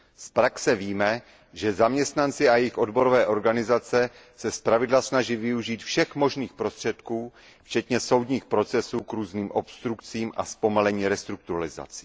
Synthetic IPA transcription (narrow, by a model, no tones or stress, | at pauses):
spɾaksɛviːmɛ | ʒɛzamɲɛst̪nant͡sɪajɛɪxʔo̞dbo̞ɾovɛːʔo̞ɾɡanɪzat͡sɛ | sɛspɾavɪdlasnaʒivɪuʒiːt̪fʃɛxmo̞ʒniːxpɾo̞st̪r̝̥ɛt̪kuː | ft͡ʃɛt̪ɲɛso̞wd̪ɲiːxpɾo̞t͡sɛsuːkɾuːzniːmʔo̞pst̪ɾukt͡siːmʔa̰spo̞malɛɲiːɾɛst̪ɾuk̚t̪uɾalɪza̰t͡si